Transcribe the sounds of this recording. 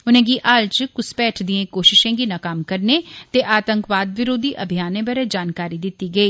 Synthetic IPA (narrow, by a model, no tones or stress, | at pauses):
ʊnẽːɡiːʔaːlt͡ʃkʊspɛːʈʰd̪ɪẽːkoːʃɪʃẽːɡiːnaːkaːmkəɾneːt̪eːʔaːt̪əŋkʋaːd̪ʋɪɾoːd̪iːʔəbʱɪjaːnẽːbəɾeːd͡ʒaːnkaːɾiːd̪ɪt̪ːiːɡəiː